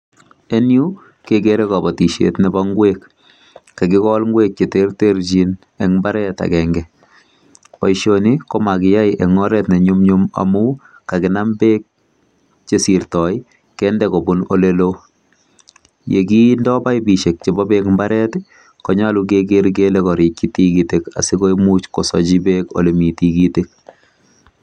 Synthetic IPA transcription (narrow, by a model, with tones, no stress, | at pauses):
e˦nju˦ | kekeɾe˦ka˨bɔ˨ti˨ʃḛtnɛbaŋɡwek | ka˨kɪ˦kɔlŋɡweːk̚t͡ʃe˨te˦rteɾt͡ʃin | ɛŋmbaɾɛta̰˨kɛŋɡɛ | pɔ˨jʃoni˦kɔ˦ma˨kɪ˨ja˦jʔɛ˨ŋɔ˦ɾɛtnɛ˨ɲumɲuma̰mu˦ | ka˨kɪnambe˦k̚ | t͡ʃesi˨ɾtɔ˨ɪ | kɛndɛkɔ˨bʊno̰˦lelo˦ | je˨ki˦ndɔ˦ba˦jbi˨ʃe˨k̚t͡ʃebɔ˦bekmba˦ɾɛ˦t | kɔ˨ɲaluk̬ek̬eɾɡ̬elɛ˦kɔ˨ɾɪ˨t̚ki˦tikite˨ka̰˨si˦ko˦imu˦t͡ʃkɔ˨sɔd͡ʒi˦beko̰le˨mi˨ti˨ɡitek̚